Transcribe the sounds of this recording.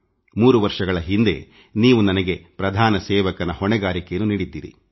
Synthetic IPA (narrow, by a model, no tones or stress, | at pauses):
muːɾuʋɐɾʂɐɡɐɭɐɦind̪e̞̰ | niːʋunɐnɐɡe̞pɾɐd̪ʱaːnɐsɛːʋɐkɐnɐhɔɳɛɡaːɾikenuniːɽid̪ːiːɾḭ